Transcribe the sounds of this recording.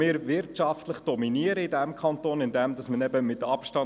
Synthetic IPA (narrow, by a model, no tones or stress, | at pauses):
ɪːɾʋɪɾtʃɑftləχd̥ɔminiəɾəɪdɛmkʰɑntoːnɪndɛmdɑsmənɛbəmɪtɑpʃtɑ